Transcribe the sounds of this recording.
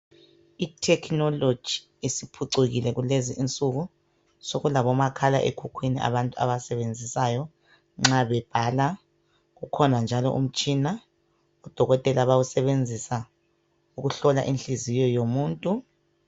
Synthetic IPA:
itʰɛkʰnɔlo̥d͡ʒ̥ʱi | esipʰuǀeɣilɛɣuleziʔint͡sʼuɣu | soɣulaβɔmakʰala̰ʔḛkʰukʰwiniʔa̰βantʼua̰βasɛβend͡zʱisajɔ | ŋ͡ǁaβɛb̥ʱala | ɣukʰɔnand͡ʒʱalɔ̰ʔṵm̩t͡ʃʼina | ud̥ʱɔɣɔtʼɛlaβawusɛβend͡zʱisa | uɣuɬɔla̰ʔinɬʼizijɔjomuːntʼu

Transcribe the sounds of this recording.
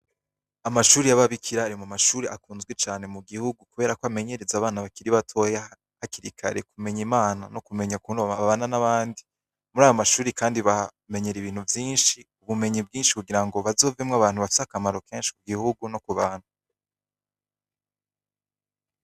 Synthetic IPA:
amaʃuːɾijaβaβikʰiɾaːɾimamaʃuːɾeʔakuːnzɡwet͡ʃaːne̞muɡihuɡukuβe̞ːɾakoame̞ɲe̞ɾezaβaːnaβakiɾiβatʰo̞ja | haciɾikʰa̰ɾekume̞ɲimaːnano̞kume̞ɲakunaβaβananaβaːndi | muɾaːjomaʃuːɾikaːndiβa | me̞ɲe̞ɾiβiːn̥huvjiːnʃiuβume̞ɲib̚ɡiːnʃi̥kuɡiɾaŋɡo̞βazo̞ːvemŋaβaːn̥uβafisehakamaɾo̞ke̞ːnʃi̥kuɡihuɡuno̞kuβaːn̥u

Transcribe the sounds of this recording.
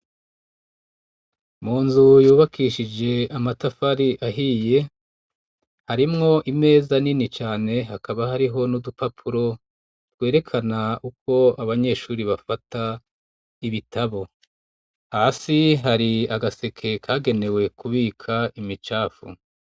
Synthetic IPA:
muːnzujuːβakʰiʃid͡ʒe̞amatafaɾiʔaɦiːje̞ | haɾimŋo̞ʔime̞ːzaninit͡ʃaːne̞ɦakaβahaɾiɦo̞nudupapʰuɾo̞ | tɡwe̞ːɾe̞kʰanauko̞aβaɲe̞ːʃuːɾiβafata | iβitʰaβo̞ | hasiɦaɾiaɡase̞kʰe̞kʰaːɡe̞ne̞we̞kuβiːkʰaimit͡ʃaːfṵ

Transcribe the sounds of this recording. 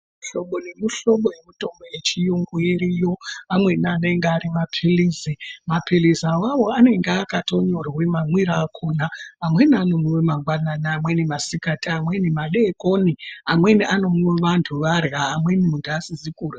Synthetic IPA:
mɬo̞ɓonemuɬo̞ɓojemuto̞mbojet͡ʃijoŋɡuiɾijo̞amwe̞nianeŋɡeaɾimapʰiliːzimapilizawaʋo̞ane̞ŋɡeakato̞ɲo̞rwemamwiɾaːkʰonaːmwe̞nianomuwemaŋɡwananaːmwenimasikatiamwenimaɗekoniamwe̞niʔano̞muweʋantʰuʋarɣaːmwenimuntuasizikuːra

